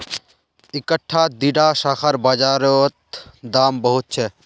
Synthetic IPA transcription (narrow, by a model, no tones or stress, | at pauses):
ɪkəʈʰːaːd̪iɖaːʃaːxəɾbaːd͡ʒaːɾot̪d̪aːmbəɦʊt̪̚t͡ʃʰɛ